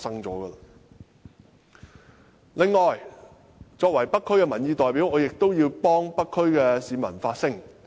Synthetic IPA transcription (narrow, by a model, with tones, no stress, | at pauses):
sɐ˥ŋt͡sɔː˨˥ɡə˧ | lɪ˨ŋːɔː˨˩j | t͡sɔː˧k̚wɐ˨˩jpɐ˥kʰːɵ˥ɥkɛː˧mɐ˨˩njiː˨˧t̪ɔː˨˩jpiː˨˥wɔː˨˧jɪ˨k̚t̪o˥wjiː˧wpɔː˥ŋpɐ˥kʰːɵ˥ɥkɛː˧siː˨˧mɐ̰˨˩nfaː˧t̚sɪ˥ŋ